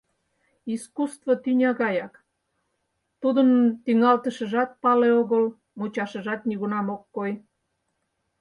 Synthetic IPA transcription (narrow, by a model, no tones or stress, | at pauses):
iskust̪vot̪ynʲɑɣɑjɑk | t̪ud̪ənt̪iŋɑlt̪əʃə̆ʒɑt̪̚pɑleoɣəl | mut͡ɕɑʃəʒɑt̪niɣunɑmokːoj